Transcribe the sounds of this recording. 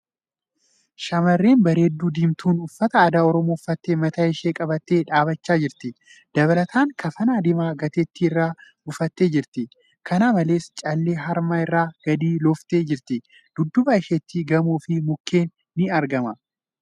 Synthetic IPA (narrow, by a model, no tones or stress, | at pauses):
ʃɐmɐrːeːnbɐɾe̞ːd̪ːuːd̪iːmt̪uːnʊfːɐt̪ɐːd̪aːɔɾɔmoːfːɐt̪ːeːmɐt̪ɐɪʃeːkʼɐbɐt̪ːeːᶑaːbɐt͡ʃːaːd͡ʒɪɾt̪ɪ | d̪̥ɐβɐlɐt̪ʰaːŋkʰɐfɐnaːd̪ɪmaːɡɐt̪et̪ːiɪrːaː | ʊfɐt̪ːe̞ːd͡ʒɪɾt̪ɪ | kʰɐnaːmɐle̞ːst͡ʃʼɐlːe̞ːɦɐɾmaːɪrːaːɡ̥ɐd̪iːlɔft̪eːd͡ʒɪɾt̪ɪ | d̪̥ʊd̪ːʊbɐɪʃeːt̪ːiɡɐmuːfɪmʊkːe̞ːnːɪɐɾɡɐmɐ